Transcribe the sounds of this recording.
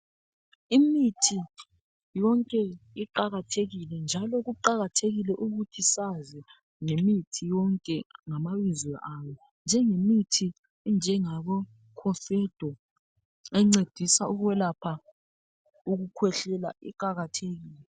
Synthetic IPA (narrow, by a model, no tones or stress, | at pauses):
imitʰi | jɔŋkʼɛiǃaɣatʰeɣilɛnd͡ʒʱalɔɣuǃaɣatʰeɣilɛʔuɣutʰisazɛ | ŋemitʰijɔŋkʼɛŋamaβizwɛʔamɛ | nd͡ʒʱɛŋemitʰi | nd͡ʒʱɛŋaβɔ | kʰɔfɛd̥ʱɔ | ɛŋ͡ǀed̥ʱisauɣwɛlapʰa | uɣukʰwɛɬɛla̰ʔḭǃaɣatʰeɣiːlɛɛ